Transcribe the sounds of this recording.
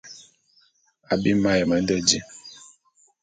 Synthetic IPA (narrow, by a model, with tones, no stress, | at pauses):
a˨bi˦ma˦jɛ˨ma˨˦n̩˦dɛ˦d͡ʒi˦